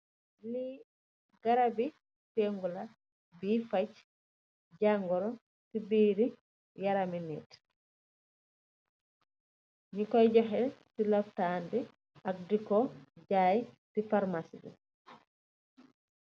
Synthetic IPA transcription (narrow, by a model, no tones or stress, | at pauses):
li | ɡaɾabi | teŋɡula | bifat͡ʃ | d͡ʒaŋɡɔɾɔ | sibiːɾi | jaɾaminɛ̰ːt | ɲikɔjɟɔxɛtilaftandi | ʔak̚dikɔd͡ʒaːjtifaɾmasḭdḭ